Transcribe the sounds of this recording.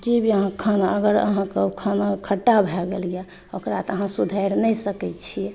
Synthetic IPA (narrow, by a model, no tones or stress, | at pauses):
d͡ʒebʱiəɦãkʰənəɡəɾə̰ɦãkəbkʰənkʰəʈːabʱɛɡelijɛ | okɾat̪əɦãsud̪ʱəɪɾnɛjsəkɛt͡ʃʰiɛ